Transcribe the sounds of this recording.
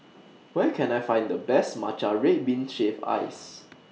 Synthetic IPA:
wɛkʰɛ̃najfãj̃ndəblɛsma̰t͡ʃaɹet̚bĩnʃeva̰ɪs

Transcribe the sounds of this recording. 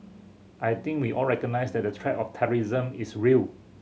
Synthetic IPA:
ʔajt̪ĩŋkwiʔɔlɹɛkənajsdɛt̚dətʰɹɛtɔftʰɛɹizə̃misɹil

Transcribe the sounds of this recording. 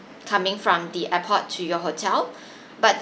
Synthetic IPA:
kʰãmɪ̃ŋfɹɔ̃mdiʔɛpʰɔtʰːujɔɦotʰɛl | bat̚

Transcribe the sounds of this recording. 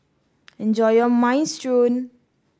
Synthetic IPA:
ɛ̃nd͡ʒɔjɔmãɪ̃nstɹõn

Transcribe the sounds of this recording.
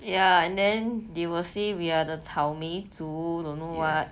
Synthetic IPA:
jaɛ̃ndɛ̃ndiwəsiwiadətʰawmitudõnowɔt̚

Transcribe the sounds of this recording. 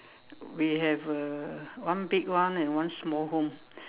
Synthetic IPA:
wiɦɛv | wʌ̃nbɪɡwʌ̃nɛ̃nwʌ̃nsmɔlˠɦõm

